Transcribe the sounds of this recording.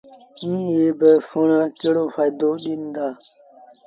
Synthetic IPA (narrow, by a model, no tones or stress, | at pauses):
ĩːeːbəsonãːkeɽoːfaːjd̪oːɗind̪aː